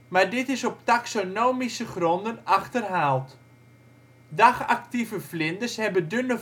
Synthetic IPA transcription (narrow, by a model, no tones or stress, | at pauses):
maɹdɪtɪsɔp̚taksonoːmisəχrɔndənaχtərɦaːlˠt | daχa̰ktivəflɪndəshɛbədønə